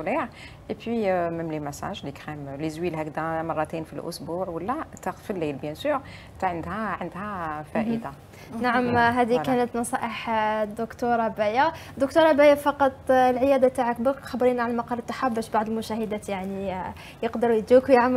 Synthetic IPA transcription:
liʕ | ʔepwiməmlimæsæ̰ʒlikxæmlizwilɦækd̪æmɑrˤːɑt̪enfilʔʊ̰sbuʕwəlːæt̪æfilːæjlbjænsuɾ | t̪aʕənd̪hæʕənd̪hæfæʔəd̪a | naʕəmɦæd̪ikænət̪nɑsˤɑʔəħd̪ʊkt̪uɾˤɑbæjad̪ʊk̚t̪uɾˤɑbæjæfɑqɑt̪ˤlʕəjæd̪at̪aʕak̚bækxɑbɾinʕalæmɑqɑɾˤət̪ˤːɑ̥ħabæʃbaʕd̪əlmʊʃæhəd̪æt̪jaʕni | jəqd̪əɾujd̪ukjəʕm

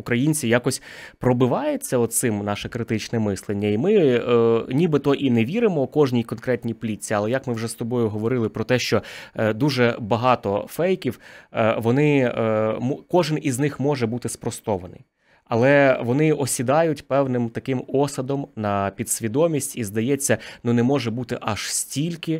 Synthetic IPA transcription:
ukɾɐjinʲt͡sʲijakɔsʲpɾɔbɪʋɑjʊt͡sʲːɐɔsɪmnɑʃɛkɾɪt̪ɪt͡ʃnɛmɪslˠenʲːɐimɪ | nʲibɪt̪ɔʔinɛʋʲiɾɪmɔːkɔʒnʲijkɔnkɾɛt̪ʲnʲijplʲit͡sʲːiɐlˠɛjɐkmɪwʐɛst̪ɔbɔjʊɦɔʋɔɾɪlˠɪpɾɔt̪ɛʃt͡ʃɔd̪uʒɛbɐɦɑt̪ɔfɛjkʲiwʋɔnɪ | mkɔʒɪniznɪxmɔʒɛbut̪ɪspɾɔst̪ɔʋɐnɪ̰j | ɐlˠɛʋɔnɪʔɔsʲid̪ɑjʊtʲpɛwnɪmt̪ɐkɪmɔsɐd̪ɔmnɐpʲid̪sʲʋʲid̪ɔmʲisʲtʲizd̪ɐjɛt͡sʲːɐnunɛmɔʒɛbut̪ɪʔɐʃsʲtʲilʲkɪ

